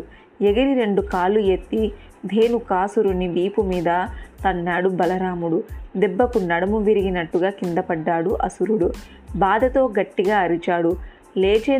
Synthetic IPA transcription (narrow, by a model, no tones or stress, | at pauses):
eɡɐɾiɾe̞ɳɖukaːlujet̪ːi | d̪ʱe̞ːnukaːsuɾunːiʋiːpumiːd̪ɐt̪ɐnːaːɽubɐlɐɾaːmuɽud̪ɛbːɐkunɐɽɐmuʋiɾiɡinɐʈːuɡaːkind̪ɐpɐɖːaːɽuʔɐsuɾuɽu | baːd̪ɐt̪o̞ːɡɐʈːiɡaːɐɾit͡ʃaːɽu | leːt͡ʃeː